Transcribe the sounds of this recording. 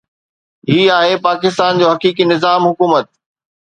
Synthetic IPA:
ɦiːaːɦepaːkɪst̪aːnd͡ʑoːɦɐkiːk̬inɪzaːmɦʊkuːmət̪̚

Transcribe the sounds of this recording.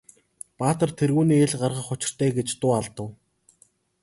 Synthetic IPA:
paːt̪ə̆rt̪ʰerɣuːniːeɮɢarʁə̆χʊt͡ɕɪ̆r̥t̪ʰæːɡet͡ɕt̪ʊːaɮt̪ə̆w

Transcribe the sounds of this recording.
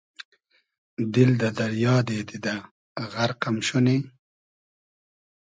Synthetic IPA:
d̪ɪld̪ad̪aɾjɑːd̪ed̪id̪a | ɣaɾqamʃuni

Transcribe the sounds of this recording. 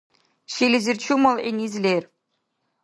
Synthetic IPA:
ɕilʲɘ̆zʲɘrt͡ɕumɤlˠenʲizʲlʲerʲ

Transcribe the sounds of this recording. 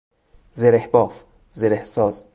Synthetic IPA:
zeɾehbɒːf | zeɾehsɒːz

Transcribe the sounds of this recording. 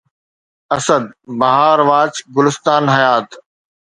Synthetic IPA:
ɐsəd̪̚bɐɦaːɾʋaːt͡ɕɡʊlɪst̪aːnɦɐjaːt̪

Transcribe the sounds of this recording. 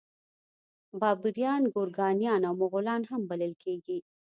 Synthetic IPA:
bɑːbiɾijɑnɡoɾɡɑnjɑnawmʊɣʊlɑnhambaləlkʰeɡi

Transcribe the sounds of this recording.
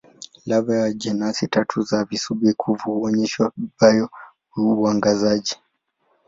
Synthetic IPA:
lavajad͡ʒɛnasitatʰuzavisubikʰuvuhuɔɲɛʃwabajɔ | uaŋɡazad͡ʒi

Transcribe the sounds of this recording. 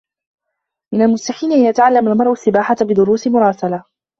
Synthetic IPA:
mɪnalmʊst̪aħiːnɪʔanjat̪aʕalːamalmɑɾˤʔʊsːɪbaːħabɪd̪ʊɾuːsɪmʊɾˤɑːsala

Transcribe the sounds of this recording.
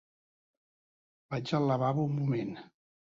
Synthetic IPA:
b̥ad͡ʒələβaβəummumen

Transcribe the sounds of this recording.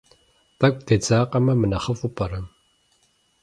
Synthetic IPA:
tɐkʷʼd̪ɐt͡saːqɐmɐmɨnɐχəfupʰʼɐɾɐm

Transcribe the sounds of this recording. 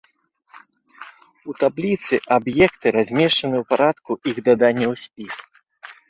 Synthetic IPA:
ut̪ablʲit̪sɨʔabjɛkt̪ɨɾazʲmʲɛʂt͡ʂɐnɨwpaɾat̪kuʔiɣd̪ad̪anʲːɐwsʲpʲis

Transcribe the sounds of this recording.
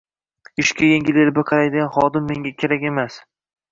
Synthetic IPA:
ɪʃkʲajeŋɡʲɪleɾbɪqʰɑɾajd̪ɪɡʲanχɒd̪ɪmːe̞ŋɡʲakʲʰe̞ɾakʲe̞mas

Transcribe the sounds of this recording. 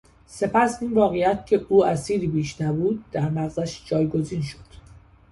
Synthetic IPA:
se̞pæsiːnvɒːɣejæt̪̚cʰe̞ʔuːæsiːɾiːbiːʃnæbuːd̪̚ːæɾnæɣzæʃd͡ʒɒːjɡo̞ziːnʃo̞̥d̪̥

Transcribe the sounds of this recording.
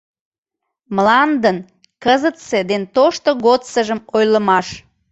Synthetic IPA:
mlɑnd̪ən | kəzət̪sed̪ent̪oʃt̪oɣot̪səʒəmojləmɑʃ

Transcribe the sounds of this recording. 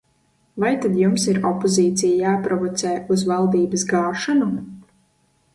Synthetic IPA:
vajt̪ad̪jumsiɾɔpoziːt̪sʲijajaːpɾɔvɔt̪sɛːuzvalˠd̪iːbəsɡaːʃanu

